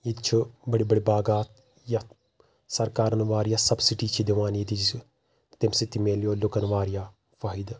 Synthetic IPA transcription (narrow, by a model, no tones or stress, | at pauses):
it̪t͡ʃʰubɐɽibɐɽibaːɡaːt̪ | ja | sɐɾkaːɾɐnʋaːɾijaːsɐbsiʈiːt͡ʃʰid̪iʋaːniit̪i | t̪emsit̪imeːljoːlʊkɐnʋaːɾija | fɐːɦid̪